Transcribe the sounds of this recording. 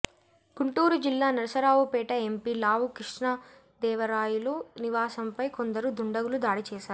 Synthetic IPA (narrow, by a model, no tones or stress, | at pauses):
ɡ̥uɳʈuːɾud͡ʒilːaːnɐɾɐsɐɾaːʋupɛːʈɐempiːlaːʋukɾiʂɳɐ | d̪ɛːʋɐɾaːjuluniʋaːsɐmpɐjko̞nd̪ɐɾud̪uɳɖɐɡulud̪aːɽit͡ʃɛːʃaːɾu